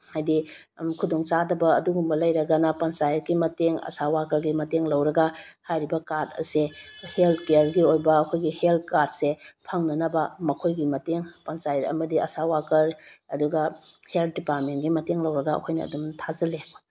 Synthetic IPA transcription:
hajdi | kʰudoŋt͡ʃadɐbɐɐduɡumbɐlɐjɾɐɡɐnɐpɐnsajɾɡimɐteŋɐ̰sawakɐɾɡimɐteŋlɐwɾɐɡahajɾibɐkaɾtɐ̰seheltʰkejɾɡiojbɐɐkʰojɡihelt̚kad̚sepʰɐŋnɐnɐbɐmɐkʰojɡimɐteŋpɐnsajɾɐ̰mɐdiɐ̰sawakɐɾɐduɡɐhelt̚dipatmenɡimɐteŋlɐwɾɐɡaɐ̰kʰojnɐ̰ːdumtʰazɐle

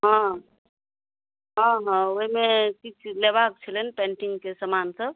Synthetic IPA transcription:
ɦɔ̃ | ɦʌ̃ɦʌ̃oɦimekit͡ʃʰlebakt͡ʃʰilənpɛ̃ɳʈiŋɡkesəmansəb

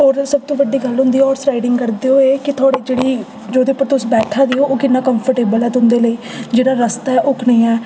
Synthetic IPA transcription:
ɔːɾsəb̚t̪õːʋəɖːiːɡəlɦʊ̃nd̪iːɔːɾsɾaːɪɖɪŋɡkəɾd̪eːoːeːkɪt̪ʰʊaːɽiːd͡ʒeːɽiː | d͡ʒoːd̪eːpːəɾt̪ʊsbɛːʈʰãːd̪iːoːʔoːkɪnːãːkəmpʰəɾʈeːbəlɛːt̪ʊ̃nd̪eːləiː | d͡ʒeːɽaːɾəst̪aːɛːʔʊkʰnĩːɛː

